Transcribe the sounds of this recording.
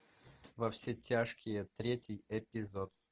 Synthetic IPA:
vɐfsʲetʲaʂkʲɪjət̪ɾʲetʲɪjɛpʲɪzot̪̚

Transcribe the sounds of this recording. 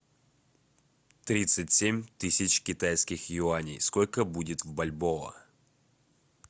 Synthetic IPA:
t̪ɾʲit̪sɨtʲsʲemʲt̪ɨsʲɪt͡ɕkʲɪt̪ajskʲɪxjʊanʲijsko̞lʲkəbudʲɪt̪vbɐlʲbovə̰

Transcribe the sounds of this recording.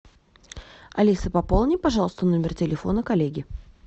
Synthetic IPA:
ɐ̰lʲisəpɐpolˠnʲɪpɐʐɑlˠəst̪əno̞mʲɪrtʲɪlʲɪfo̞̰nəkɐlʲeɡʲɪ

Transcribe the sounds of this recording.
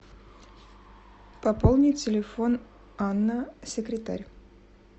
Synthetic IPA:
pɐpolˠnʲɪtʲɪlʲɪfo̞n | anːəsʲɪkɾʲɪt̪a̰ɾʲ

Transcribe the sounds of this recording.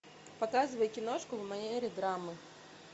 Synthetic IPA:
pɐkɑzʊʋɐjkʲinɔʃkʊʋmɐjɛɾʲid̪ɾɑmɨ

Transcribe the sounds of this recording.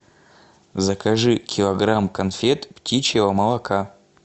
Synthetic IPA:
zɐkʰaʐɨkʲilˠɐɡramkɐnfʲet̪ptʲit͡ʃjɛvɐmɐlˠɐkʰa

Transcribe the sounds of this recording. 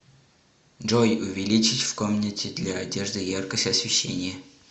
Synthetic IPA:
ʐojʊvʲɪlʲit͡ɕɪtʲfkomnʲətʲɪd̪lʲaːdʲe̞ʐd̪ɨjarkəsʲtʲɐsvʲɪɕːḛnʲɪjə

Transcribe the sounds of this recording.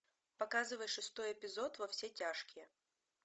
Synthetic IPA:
pɐkazɨvəjʂɨst̪o̞jɛpʲɪzo̞t̪vɐfsʲetʲaʂkʲɪjə

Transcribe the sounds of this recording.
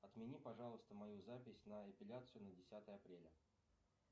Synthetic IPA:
ɐt̪mʲɪnʲipɐʐɑlˠəst̪əmɐjuzapʲɪsʲnəɐpʲɪlʲat̪sɨjʊnədʲɪsʲat̪əjəɐpɾʲelʲə

